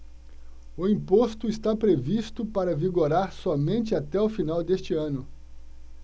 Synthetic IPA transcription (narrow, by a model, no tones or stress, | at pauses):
ʊĩpost̪ʊist̪apɾevist̪ʊpaɾɐviɡoɾaɾsɔmẽnt͡ʃɪat̪ɛʊfinawd̪est͡ʃɪɐ̃nʊ